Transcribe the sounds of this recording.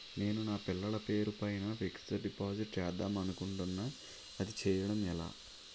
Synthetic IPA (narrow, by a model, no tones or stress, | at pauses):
ne̞ːnunaːpilːɐɭɐpe̞ːɾupɐjnɐfiksʈɐɾɖipaːd͡ʒiʈt͡ʃɛːd̪ɐmɐnukuɳʈunːɐ | ɐd̪it͡ʃɛːjɐɽɐmɛla̰ː